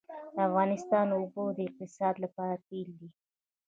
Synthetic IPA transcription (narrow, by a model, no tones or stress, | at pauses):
d̪̥əafɣɑnɪst̪ɑnobod̪əɪq̚t̪ɪsɑd̪lapɑɾapeld̪i